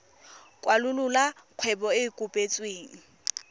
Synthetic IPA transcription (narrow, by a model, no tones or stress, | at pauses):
kʼwalʊlʊlaq͡χʰwɛbɔɪkʼʊpʼet͡sʼweːŋ̩